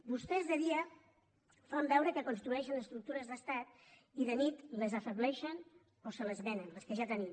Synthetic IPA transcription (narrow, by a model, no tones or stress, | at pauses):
bust̪ɛzðəðiə | fambɛwɾəkəkonst̪ɾuɛʃənəst̪ɾuk̚t̪uɾəzðəst̪at̪ | iðənit̪ləzəfəβlɛʃən | osələzβɛnənləskəʒat̪ənim